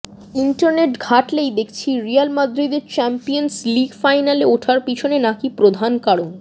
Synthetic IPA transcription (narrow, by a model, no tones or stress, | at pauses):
iɳʈaɾneʈɡʱaʈlejd̪ekʰt͡ɕʰiɾijalmad̪ɾid̪eɾt͡ɕɛmpijonsliɡfajnaleoʈʰaɾpit͡ɕʰonenakipɾod̪ʱankaɽo